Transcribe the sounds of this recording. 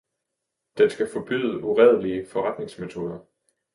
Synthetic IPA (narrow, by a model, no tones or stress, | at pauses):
d̥ensɡ̥æfɒ̽b̥y̰ðˠəʔuʁɛð̞ˠliəfɒ̽ʁäd̥ne̝ŋsme̝t͡sʰo̝ːð̞ˠɐ